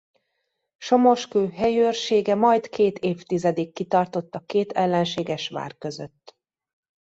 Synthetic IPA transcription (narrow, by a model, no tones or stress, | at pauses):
ʃomo̞ʃkøːɦɛjøːrʃeːɡɛmɒjt̪kʰeːt̪ʰeːft̪izɛd̪ikːit̪ɒrt̪o̞t̪ːɒkeːt̪ʰɛlːɛnʃeːɡɛʃʋa̰ːrkøzø̰t̪ː